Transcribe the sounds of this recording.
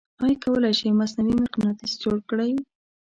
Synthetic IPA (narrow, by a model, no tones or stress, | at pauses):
ɑjkawəlajʃajmasnawimaɾqnat̪izd͡ʒoɽkəɽaj